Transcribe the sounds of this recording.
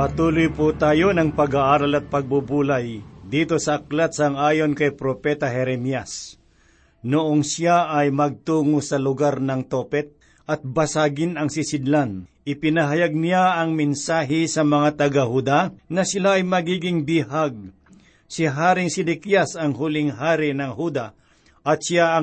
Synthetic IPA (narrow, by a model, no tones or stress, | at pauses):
pɐt̪uːlʊjpʊt̪aːjonɐŋpɐɡaʔaːɾɐlɐt̪̚pɐɡ̚bubuːlajd̪iːt̪o̞sɐʔɐk̚lat̪sɐŋaːjo̞nkɐjpɾopɛt̪ɐɦɛɾɛmijas | nʊʔonsjaʔɐjmɐɡ̚t̪uːŋosɐlʊɡaɾnɐŋt̪oːpɛt̪̚ | ʔɐt̪̚bɐsaɡɪnɐŋsɪsɪd̪lanʔɪpɪnɐɦɐjaɡ̚nɪjaʔɐŋmɛnsaːɦɪsɐmɐŋat̪ɐɡahud̪anɐsɪlaːjmɐɡiːɡɪŋbihaɡ̚ | sɪɦaːɾɪŋsɪd̪ɛkjasɐŋɦʊlɪŋɦaːɾɪnɐŋhud̪a | ʔɐt̪̚sɪjaɐ